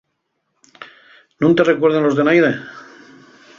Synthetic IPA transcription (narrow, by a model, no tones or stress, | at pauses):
nũnt̪erekweɾð̞enlozðenajðe